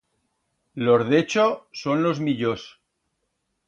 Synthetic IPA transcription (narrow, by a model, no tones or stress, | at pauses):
loɾðet͡ʃosonlo̞zmiʎos